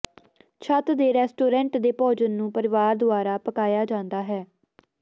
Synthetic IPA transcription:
t͡ʃʰət̪d̪eːɾɛːsʈoːɾɛ̃ːɳʈd̪eːpɔːd͡ʒənːũːpəɾɪʋaːɾd̪ʊaːɾaːpəkaːjaːd͡ʒãːnd̪aːɦɛː

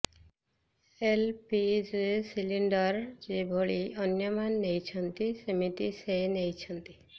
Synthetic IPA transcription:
elpid͡ʒesiliɳɖɔɾd͡ʒebʱoɭiʔɔnjɔmanːejt͡ʃʰɔnt̪isemit̪isenejt͡ʃʰɔnt̪i

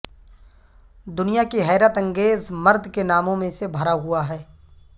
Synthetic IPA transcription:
d̪ʊnijakiɦɛːɾət̪ɐ̃ŋɡeːzmɐɾd̪ʱkenaːmõmẽsebʱɐɾaɦʊaɦɛː

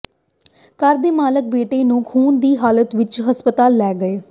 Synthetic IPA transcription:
kəɾd̪eːmaːlək̚beːʈeːnũːkʰuːnd̪iːɦaːlət̪ʋɪt͡ʃɦəspət̪aːlːɛːɡəeː

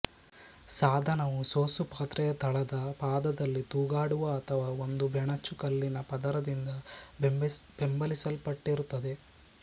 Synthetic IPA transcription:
saːd̪ʱɐnɐʋusoːsupaːt̪ɾɛjɐt̪ʰɐɭɐd̪ɐpaːd̪ɐd̪ɐlːit̪uːɡaːɽuʋɐːt̪ʰɐʋaːo̞nd̪ubʱɛɳɐt͡ʃːukɐlːinɐpɐd̪ɐɾɐd̪ind̪ɐ | b̥embɐlisɐlpɐʈːiɾut̪ːɐd̪e̞

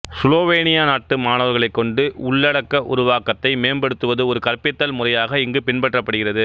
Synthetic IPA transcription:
sloːʋeːnɪjanaːʈːɯmaːnɐʋɐɾɣɐɭɐɪkːɔɳɖɯʊɭːɐɽɐkːɐʔʊ̰ɾʊʋaːkɐt̪ːɐɪmeːmbɐɽɯt̪ːɯʋɐðɯɔɾɯkɐɾpɪt̪ːɐlmʊrɐjaːɣɐɪŋɡɯpɪnpɐʈrɐpːɐɽɯɣɪrɐðɯ

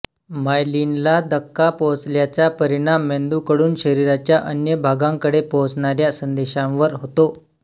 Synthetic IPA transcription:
majlinlad̪əkːapot͡sljat͡ɕapəɾiɽ̃amːend̪ukəɽuːnɕəɾiɾat͡ɕjaʔənjəbʱaɡaŋkəɽepot͡sɳaɾjasənd̪eɕãʋʋəɾɦot̪o

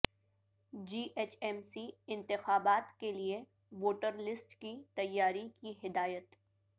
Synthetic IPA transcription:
d͡ʒiːʔeːt͡ʃɛmsiɪ̃nt̪ɪxaːbaːt̪kelie | ʋoːʈəɾlɪsʈkit̪ɐjːaːɾikiɦɪd̪aːjət̪

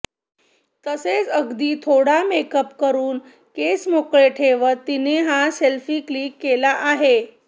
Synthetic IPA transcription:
t̪əset͡səɡd̪iːt̪ʰoɽamekəpkəɾuːn | kesmokɭeʈʰeʋət̪ineɦaselfiːkliːkːelaʔaɦe

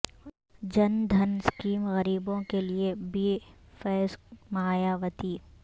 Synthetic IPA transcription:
d͡ʒɐnd̪ʱɐnskiːmɣɐɾiːbõkeliebiːfɛːsmaːjaːʋət̪iː

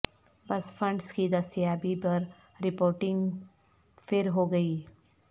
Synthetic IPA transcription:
bɐsfʰɐ̃ɳɖskid̪ɐst̪ijaːbipɐɾ | ɾɪpoːɾʈɪ̃ŋɡ | fʰɪɾɦoɡɐiː

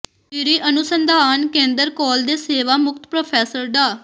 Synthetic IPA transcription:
ɪɾiːʔənʊsənd̪ʱaːnkẽːnd̪əɾkɔːld̪eːseːʋaːmʊk̚t̪pɾoːpʰɛːsəɾɖ̪aː

